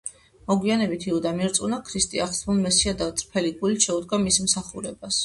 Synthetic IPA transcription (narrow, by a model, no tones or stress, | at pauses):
mɔɡwianɛbit̪ʰiud̪amiɾt̪sʼunakʰɾist̪ʼiaχsmulˠmɛsiad̪at̪sʼɾpʰɛlikʼuliʃɛud̪ɡamismsaχuɾɛbas